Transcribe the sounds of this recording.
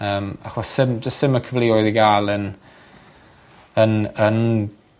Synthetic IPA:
əːma̰χwɔsɪmd͡ʒəstsɪməkʰəvliɔɨðiɡaːlˠən | ənən

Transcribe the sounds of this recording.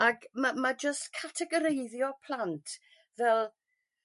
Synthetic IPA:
akmamad͡ʒəstkʰatʰɛɡɔɾejðjɔpʰl̥ˠantʰ | vɛlˠ

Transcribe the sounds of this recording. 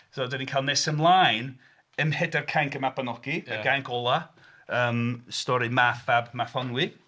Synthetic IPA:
soːdɛniŋkʰaːlˠnesəmlˠaːjn | əmhɛdarkʰaŋkəmapanɔɡ̥iəɡaŋkʰɔlˠa | əːmstɔɾɨmaθabmaθɔnwɪ

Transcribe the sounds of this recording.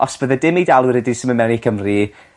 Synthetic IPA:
ɔsb̥əðədɪmidalˠwɨrɛdɪsɪmənmɛnikʰəmri

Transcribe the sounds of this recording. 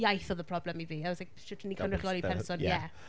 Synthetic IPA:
jajθɔðəpʰr̥ɔblɛmiviawɔslaɪk̚ʃʊtʰənikʰanɪχiɔlippʰɛrsɔnjɛ

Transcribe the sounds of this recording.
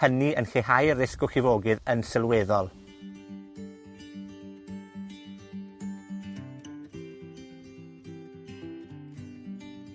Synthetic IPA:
əniənxehajɾɪskɔxɪvoːɡɪðənsɪlˠweðɔlˠ

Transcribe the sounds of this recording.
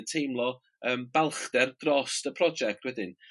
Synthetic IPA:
ntʰejmlˠɔ | əːmbɛlˠχd̥ɛrd̥rɔstəpʰrɔd͡ʒɛk̚tʰwɛdɪn

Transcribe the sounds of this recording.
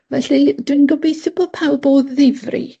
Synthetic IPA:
vɛɬid̥winɡɔbejθɪbɔpʰawlˠboːðːɪvrḭ

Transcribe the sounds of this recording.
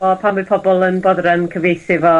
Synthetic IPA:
ɔpʰamɨpʰɔbɔlˠənbɔðrɛnkʰəvejθɪvɔ

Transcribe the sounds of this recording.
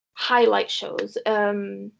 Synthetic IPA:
haɪla̰ɪtʃo̰ʊz̥ʌ̃m

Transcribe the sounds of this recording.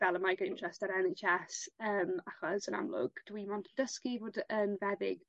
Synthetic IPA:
vɛlˠəmajɡəɪntʰrɛstaɾɛnet͡ʃɛsəːmaχɔsəna̰mlʊ̰ɡ̥d̥wimɔndʰədəskivoːdəːmvɛðɪ̰ɡ

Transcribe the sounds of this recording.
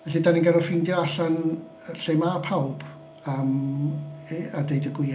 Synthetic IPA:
vɛɬidaninɡaɾɔfɪndjɔaɬan | ɬejmapʰawb̥ | əm | adejdəɡwɪ

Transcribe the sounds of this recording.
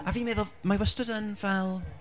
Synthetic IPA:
aviːmeːðɔlˠmajwəstɔdənvɛlˠ

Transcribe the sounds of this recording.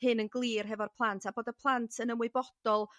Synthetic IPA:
hɨnənɡlˠiːrɦɛvɔrpʰlˠantʰaboːdəpʰlˠantʰənəmwɪbɔd̥ɔlˠ

